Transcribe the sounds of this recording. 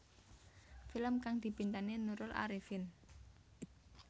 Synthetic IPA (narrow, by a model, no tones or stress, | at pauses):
filəmkaŋd̪̥i̤pint̪anenuɾʊla̰ɾifɪn